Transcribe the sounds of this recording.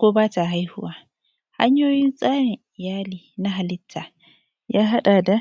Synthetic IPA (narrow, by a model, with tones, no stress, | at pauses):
kʷoː˦baː˦ta˨ɦa˦jhʊ˦waː˦ | ha̰˦ɲjoː˦jɪ˦nsʼaː˦ɽɪ˨ŋʔɪ˨jaː˦liː˨na˦ɦa˨lɪ˦tʰːa˨ | jaː˦ɦa˦ɗa˨da˨